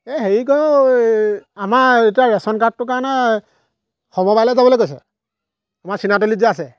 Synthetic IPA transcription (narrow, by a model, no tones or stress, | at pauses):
exeɹikɔj | amaejtabɛsɔnkat̚tːʊkaɹɔnɛ | xɔmɔbajlɔjzabɔlojɡojsɔ̰ | amasinat̬ulizɛasɛ